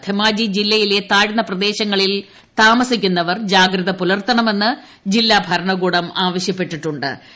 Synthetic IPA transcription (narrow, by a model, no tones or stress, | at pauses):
t̪ʰemaːd͡ʑid͡ʑilːɐjile̞t̪aːɻnːɐprɐd̪e̞ːɕɐŋːɐɭil | t̪aːmɐsikʲːunːɐʋɐrd͡ʑaːɡɾɐðɐpulɐrt̪ɐɳɐme̞nːɨ | d͡ʑilːabʱɐɾɐɳɐɡuːɽɐmaːʋɐɕjɐpːe̞ʈːiʈːuɳɖɨ̰